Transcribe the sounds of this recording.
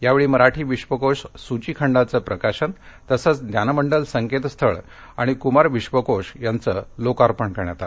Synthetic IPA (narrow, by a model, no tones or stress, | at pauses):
jaʋeɭiːməɾaʈʰiːʋiɕʋəkoʂsut͡ɕikʰəɳɖat͡səpɾəkaɕənt̪əsət͡sd̪janməɳɖəlsəŋket̪st̪ʰəɭ | aɽ̃ikumaɾʋiɕʋəkoʂjant͡səlokaɾpəɳkəɾɳja̰t̪at̪